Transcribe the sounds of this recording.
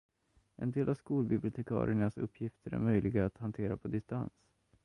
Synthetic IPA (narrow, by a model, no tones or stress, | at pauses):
ʔɛ̰nd̪eːlʔavskuːlbɪblɪʊt̪ʰɛkʰɑ̰ːɾɪ̰əɳasɵpʰːjɪft̪ʰəɾæ̰ɾmœjlʔɪɡaːt̪hant̪ʰeːɾapʰɔd̪ɪst̪a̰ns